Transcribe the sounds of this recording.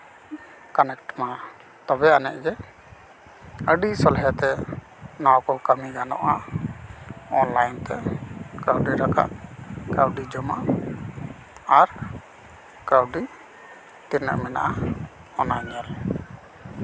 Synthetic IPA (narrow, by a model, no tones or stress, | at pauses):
kanɛkʈma | t̪ɔbɛanɛ̰ʔɡɛ | əɖisɔlɦɛt̪ɛ | nawkɔkəmiɡanɔ̰ʔa | ɔnlajnt̪ɛkɾawɖiɾaka̰ʔkawɖid͡ʒɔmaʔ | aɾ | kawɖi | t̪iɾnə̰ʔmɛna̰ʔa | ɔnaɲal